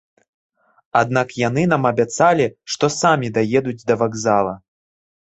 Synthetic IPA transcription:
ad̪̚nakjanɨnamɐbʲat̪salʲiʂt̪ɔsamʲid̪ajɛd̪ud͡zʲd̪ɐvaɡzalˠɐ

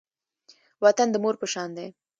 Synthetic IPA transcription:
wat̪and̪əmoɾpəʃɑnd̪e

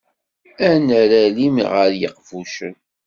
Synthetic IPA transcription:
ænæɾælimʁəɾjə̰qvuʃən

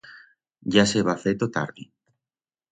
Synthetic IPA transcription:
ʝaseβafet̪ot̪a̰ɾði

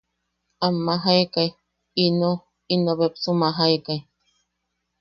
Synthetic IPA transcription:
amːaɦaekaj | ino | inoβepsumaɦaekai

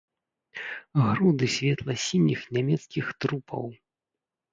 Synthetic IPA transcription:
ɣɾud̪ɨsʲvʲɛt̪lˠɐsʲinʲixnʲamʲɛt̪skʲixt̪ɾupʰɐ̰w

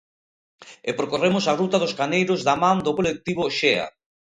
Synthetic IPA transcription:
epɾokoremʊsarut̪aðʊskanejɾozðamãnd̪okolek̚t̪iβoʃea̰

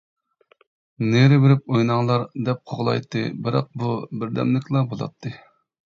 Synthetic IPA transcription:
neɾɪbɪɾɪp̚ojnɑŋlˠɑɾd̪ɛp̚qʰoʁlˠɑ̰jt̪ːɨ̰bɪɾɑ̰q̚bubɪɾd̪ɛ̰mlɪkʲlˠɑbolˠɑ̰t̪ʰːɨ

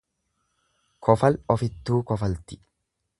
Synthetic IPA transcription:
kʰɔfɐlɔfɪt̪ːuːkɔfɐlt̪ɪ̥

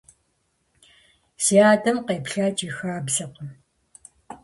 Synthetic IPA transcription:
siaːtʰʼɐmqeːpɬaːt͡ʃʼixaːbzɐqʷɔ

